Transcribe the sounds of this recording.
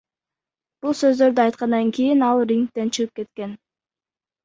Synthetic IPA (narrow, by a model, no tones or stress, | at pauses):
b̥ulˠsø̞zd̪ø̞ɾd̪yɑjt̪qɑnd̪ɑŋkʲijinɑlˠriŋk̚t̪e̞nt͡ʃʰɯʁɯp̚ke̞t̪ke̞n